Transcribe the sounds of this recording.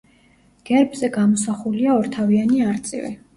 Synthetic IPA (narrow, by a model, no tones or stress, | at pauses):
ɡ̥ɛɾbzɛɡamɔsaχuliaɔɾt̪ʰavianiaɾt̪sʼḭvɛ̰